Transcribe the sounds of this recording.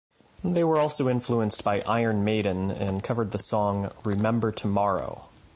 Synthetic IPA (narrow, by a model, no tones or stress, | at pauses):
ðeɪwə˞ɔlˠsoʊɪ̃ɱfluə̃nsb̥aɪʔa̰ɪə̃˞nmeɪd̃ⁿn̩ɨ̰̃nkʰʌvə˞d̪̚ðəsɔ̃ŋɹɪmɛ̃mbə˞tʰəmɑɹo̰ʊ